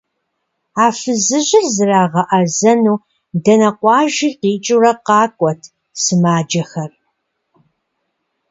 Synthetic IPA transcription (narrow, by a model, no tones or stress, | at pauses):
aːfɨzɨʑɪrzɨraːʁɐʔɐzɐnuː | dɐnɐqʷɑːʒiːqiːt͡ʃʼurɐqɑːkʷʼɔtʰ | sɨmaːd͡ʒɐxɐr